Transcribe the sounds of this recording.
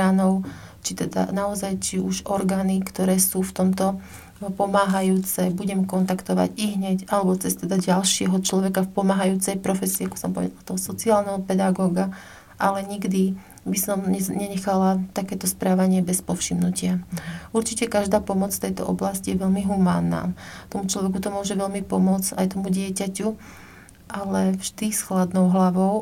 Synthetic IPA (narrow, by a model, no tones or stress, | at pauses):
anɔʊ | t͡ʃit̪ɛd̪a̰naɔzajt͡ʃiuʒɔɾɡaːnikt̪ɔɾɛːsuːft̪ɔmt̪ɔ | pɔmaːɦajuːt͡sɛbuɟɛmkɔnt̪akt̪ɔʋa̰ɟiɣɦɲɛcalɛbɔt͡sɛst̪ɛd̪aɟalʃɪɛɦɔt͡ʃlɔʋɛkafpɔmaːɦajuːt͡sɛjpɾɔfɛsiːaku̥sɔmpɔʋɛ̰d̪alt̪ɔɦɔsɔt͡siaːlnɛɦɔpɛd̪aɡɔːɡa | ʔalɛɲiɡd̪i | bisɔmɛɲɛɲɛxalat̪akɛːt̪ɔspɾaːʋaɲɪɛbɛspɔfʃimnucɪauɾt͡ʃicɛkaʒd̪aːpɔmɔt͡sft̪ɛjt̪ɔ̰ʔɔblascijɛʋɛʎmiɦumaːnːa̰ːt̪ɔmut͡ʃlɔʋɛk̬ut̪ɔmʊɔʒɛʋɛʎmipɔmʊɔt͡sajt̪ɔmuɟɪɛcacu | ʔalɛvʒd̪isxlad̪nɔʊɦlaʋɔʊ